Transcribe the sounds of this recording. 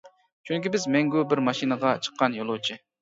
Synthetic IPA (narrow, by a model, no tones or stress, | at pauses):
t͡ʃʰyŋkʲibɪzmɛŋɡʲubɪɾmɑʃinəʁɑt͡ʃʰə̥qːɑnjolˠowt͡ʃʰi